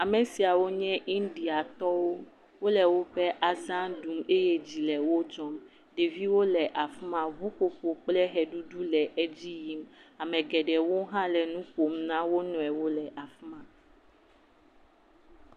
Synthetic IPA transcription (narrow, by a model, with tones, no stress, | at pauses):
a˨mɛ̃˨si˨a˨wo˦ɲɛ̃˦ʔi˦ndi˨a˨t̪ɔ˦wo˦ | wo˦lɛ˨wo˦ɸɛ˦ʔa˨zã˦nɖu˨me˦je˦d͡ʑi˨lɛ˨wo˦d͡ʒɔ˦m | ɖe˨vi˦wo˦lɛ˨ʔa˨fu˦mã˨vu˦ko˨ɸo˨k͡plɛ˦ɦɛ˨ɖu˦ɖu˦lɛ˨ʔe˦d͡ʑi˦ji˦ma˨mɛ̃˨ɡɛ˨ɖɛ˨wo˦ɦã˦lɛ˨nũ˦ko˨mnã˦wo˦nɔ̃˨ɛ˨wo˦lɛ˨ʔa˨fu˦mã˨